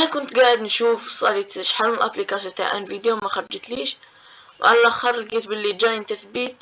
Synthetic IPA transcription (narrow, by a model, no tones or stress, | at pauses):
ʔnakʊnt̪ɡaːʔɪd̪nʃuːfsˤːɑːlit̪ʃħaɾuːnɪlʔaplikasjot̪a̰ʕʔa̰nviːd̪jomaxɑɾˤɑd͡ʒt̪liːʃ | wʕa̰lalʔaxɑrˤːɑɡit̪bɪlːid͡ʒaːjɪnt̪aθbiːt̪̚